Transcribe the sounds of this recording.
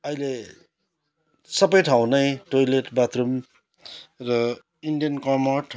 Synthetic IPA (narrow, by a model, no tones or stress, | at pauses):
ʌjle | sʌpʌjʈʰawnʌjʈojleʈbat̪rum | rʌ | iɳɖijʌnkʌmʌʈʰ